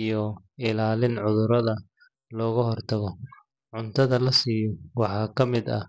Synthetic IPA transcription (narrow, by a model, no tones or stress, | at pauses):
ijɔ | ɪlaːlɪnʕʊðʊɾɐðɐ | lɔːɣʊɦɔrt̪ʰɐɣɔ | ʕʊnt̪ʰɐðɐlɐsiːjɔwɑħɑːkʰɐmɪd̪ɐ̰